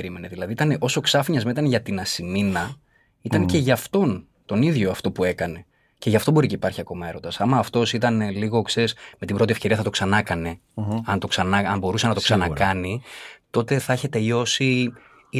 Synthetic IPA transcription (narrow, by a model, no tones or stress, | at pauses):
ɾime̞neðilɐðit̪ɐneʔo̞so̞ksɐfɲɐzmeit̪ɐnʝɐt̪inɐsiminɐ | it̪ɐnce̞ʝɐft̪o̞n | t̪o̞niðʝo̞ɐft̪o̞pue̞kɐne̞ | ce̞ʝɐft̪o̞bo̞ɾiceipɐɾçiɐko̞mɐe̞ɾo̞d̪ɐsɐmɐːft̪o̞sit̪ɐneliɣo̞kse̞ɾisme̞t̪ibɾo̞t̪ie̞fce̞ɾiɐθɐt̪o̞ksɐnɐkɐne̞ | ɐnt̪o̞ksɐnɐɐmbo̞ɾusɐnɐt̪oksɐnɐkɐnit̪o̞t̪e̞θɐeçet̪e̞ʎo̞si